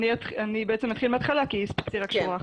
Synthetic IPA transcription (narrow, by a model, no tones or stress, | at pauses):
nit̪χanibeet͡semat̪χilmeat̪χalakispi̥kt͡siʁakʃua